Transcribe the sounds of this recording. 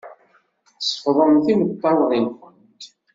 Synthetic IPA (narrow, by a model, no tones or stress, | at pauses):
sˤə̥fðˤəmθimət̪ˤːɑwðˤinxənt̪